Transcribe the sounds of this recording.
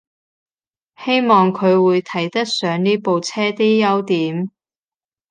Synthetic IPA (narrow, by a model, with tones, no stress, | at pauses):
he˥jmɔː˨ŋkʰɵ˨˧ɥwuː˨˧jt̪ʰɐ˨˩jt̪ɐ˥k̚sœː˨˧ŋniː˥po˨wt͡sʰɛː˥t̪i˥jɐ˥wt̪iː˨˥m